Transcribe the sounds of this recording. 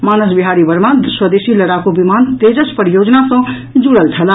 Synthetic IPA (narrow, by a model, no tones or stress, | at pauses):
manəsbiɦaɾibəɾmad̪swəd̪esiləɾakobimant̪ed͡ʒəspəɾijod͡ʒnasʌ̃ | d͡ʒuɽəlt͡ʃʰəla